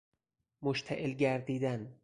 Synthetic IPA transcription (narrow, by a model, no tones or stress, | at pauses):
moʃt̪ʰæʔelɟæɾd̪iːd̪æn